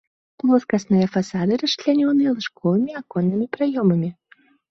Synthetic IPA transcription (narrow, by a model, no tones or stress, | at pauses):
plˠɔskɐsnɨjɐfasad̪ɨɾɐʂʲlʲanʲɔnɨjɐlˠɨʂkɔvɨmʲiakɔnːɨmʲipɾajɔmɐmʲi